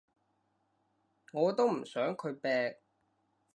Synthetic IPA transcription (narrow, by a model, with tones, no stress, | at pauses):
ŋɔː˨˧t̪o˥wm̩˨˩sœː˨˥ŋkʰɵ˨˧ɥpɛː˧k̚